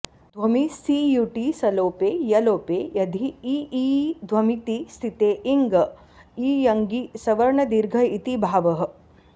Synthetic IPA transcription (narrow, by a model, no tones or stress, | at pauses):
d̪ʱʋɐmisijuːʈisɐloːpeːjɐloːpeːjɐd̪ʱiiid̪ʱʋɐmit̪ist̪ʰit̪eːʔiŋɡɐ | iːjɐŋɡisɐʋɐɾɳɐd̪iɾɡʱɐit̪ibʱaːʋɐɦə̆